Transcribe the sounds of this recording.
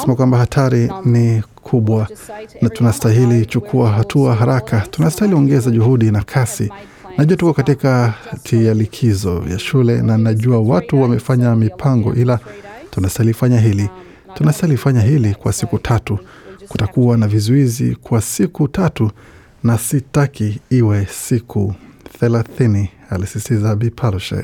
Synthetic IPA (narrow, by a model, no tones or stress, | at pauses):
sɛmakwambahatʰaɾinikʰuɓwanatunastaɦilit͡ʃukʰuaɦatʰuaɦaɾakatunastahiliɔŋɡɛzaʄuhuɗinakʰasḭ | naʄuatukɔkatikatʰialikʰizɔ̰ja̰ʃulɛ̰nanaʄuawatuwamɛfaɲamipʰaŋɡɔ̰ʔilatunastailifaɲaɦili | tunastailifaɲaɦilikwasikutʰatu | kutakuwanavizuizḭkwasikutatu | nasitakiiwɛsikʰuθɛlaθini | alisistizaɓipʰalʃa̰